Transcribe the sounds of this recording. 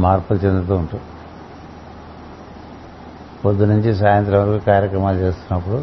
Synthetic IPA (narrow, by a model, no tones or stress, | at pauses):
maːɾpult͡ʃend̪ɾɐt̪̬uːuɳʈu | pod̪ːunuɲt͡ʃis̬aːjɐnt̪ɾɐʋɐɾkukaːɾjɐkɾɐmaːlt͡ʃe̞ːst̪unːɐpːuɽu